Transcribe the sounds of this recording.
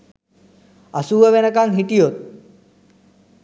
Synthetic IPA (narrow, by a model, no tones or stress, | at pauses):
ɐsuːʋəʋenəkaŋɦiʈijot̪̚